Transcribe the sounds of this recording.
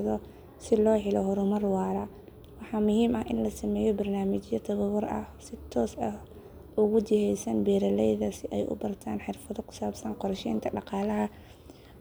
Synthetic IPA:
ðɔ | sɪlɔːɦɪlɔhʊɾʊmɐrwɑːɾɐ | wɑħɑːmʊhiːmɐhʔɪnlɐsɐmɛːjɔbɐrnaːmɪt͡ʃjɐt̪ʰɐβɐβɔrɐ̰hsɪt̪ʰɔːsɐh | ʔʊɣʊd̪ɪhɛjsɐnbɛːɾɐlɛjðɐsɪʔɛjʔʊ̰bɐrt̪ʰaːnħɪrfɐðɔkʰʊ̥saːbsɐnqɔrʃɛjnt̪ʰɐɖɑqɑːlɐɦɐ

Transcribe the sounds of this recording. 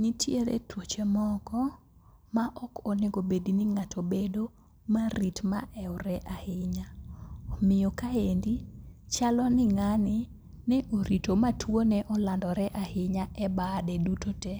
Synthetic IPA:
ɲitʰjeɾḛtwot͡ʃemɔkɔ | maʔɔkɔneɡobediniŋatʰobedo | maɾitma̰ʔɛwɾɛʔahɪɲaɔmɪjɔkaendit͡ʃalɔnɪŋanɪ | nɛʔoɾitomatwonɛʔɔlandɔɾɛʔahɪɲaɛbadɛdutotɛ

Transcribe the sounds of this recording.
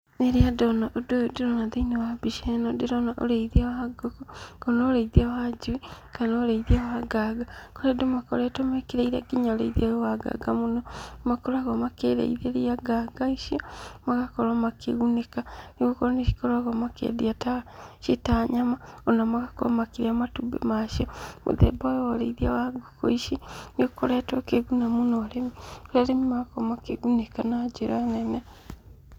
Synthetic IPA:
eɾeadonaʔododiɾonaðeinewabiʃenodiɾonaʔo̰ɾeiðiawaɡokokonoɾeiðiawad͡ʒiwikanaoɾeiðiawaɡaɡakoɾedomakoɾetomekiɾeiɾaɡiɲaoɾḛiðiajowaɡa̰ɡamunomakolwaɣomakeðḛiðieɾiaɡaɡaiʃiomaɣakɔɾamakeɣunekaniɣokoɾaneʃi̥koɾaɣɔmakḛdiataʃetaɲamaɔnamaɣakɔɾa̰makiɾeamatubḛmaʃɔmo̰ðɛ̰bajɔwaɾeiðiawaɡoko̰iʃenokoɾɛtokeɣunamonɔɾemioaɾemimaɣakɔamakeɣunekanad͡ʒeɾanɛnɛ

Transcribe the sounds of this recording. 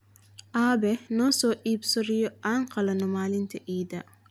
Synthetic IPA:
ʔaːbɛnɔːsɔːʔiːbsɔɾijɔaŋqɐlɐnɔmaːlɪnt̪ʰɐʔiːd̪ɐ

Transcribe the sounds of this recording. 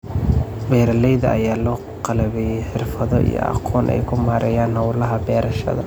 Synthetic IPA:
bɛːɾɐlɛjðɐʔɐ̰jaːlɔː | qɑlɐβɛjɛjħɪrfɐðɔʔḭjɔ̰ʔɑ̰qʰɔːnʔɛ̰jkʰʊmaːɾʔɐjaːnhɐwlɐɦɐbɛːɾɐʃɐ̰ðɐ̰

